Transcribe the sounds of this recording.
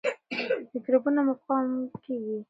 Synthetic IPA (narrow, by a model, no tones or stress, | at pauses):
d̪əɡɾubunamafqɑmkeɡi